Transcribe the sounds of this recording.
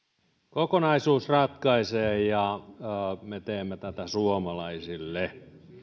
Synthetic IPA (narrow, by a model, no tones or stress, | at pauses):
kokonɑisuːsrɑt̪kɑiseːjɑ | met̪eːmːæt̪æt̪æsuomɑlɑisilːe